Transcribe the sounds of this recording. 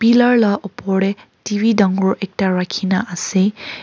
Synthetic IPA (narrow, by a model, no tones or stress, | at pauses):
pilaɹlaʔɔpɔɽɛ | tibʱidaŋɡɔɹʔɛk̚taɹakʰinaʔase